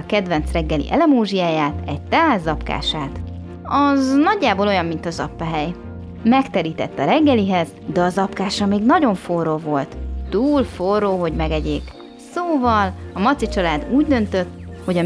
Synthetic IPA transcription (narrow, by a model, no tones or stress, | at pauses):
kɛd̪vɛnt̪srɛɡːɛlḭʔɛ̰lɛmoːʒijaːjaːt̪ɛɟ̚t̪ɛɦaːzzːɒpka̰ːʃaːt̪ | ɒznɒɟːaːboːlo̞jɒmːint̪ɒzɒpːɒɦɛj | mɛkt̪ɛɾiːt̪ɛt̪ːɒɾɛɡːɛliɦɛz | d̪ɛɒzɒpkaːʃɒmeːɡnɒɟo̞ɱfo̞roːvo̞lt̪ːuːlforːoːɦo̞ɟmɛɡɛɟeːk | soːvɒlɒmɒt̪sit͡ʃɒlaːd̪uːɟd̪ø̞nt̪ø̞t̪ːho̞ɟɒ